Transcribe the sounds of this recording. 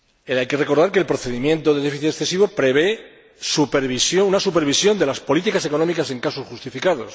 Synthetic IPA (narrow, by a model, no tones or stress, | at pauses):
ajke̞re̞ko̞ɾðaɾke̞ːlpɾo̞θe̞ðimjẽ̞nt̪o̞ðe̞ðefiθit̪esθe̞siβo̞pɾe̞βe̞ | supeɾβisjounasupe̞ɾβ̞isjo̞nd̪e̞laspolit̪ikaseko̞nomikase̞ŋkasosxust̪ifikaðo̞s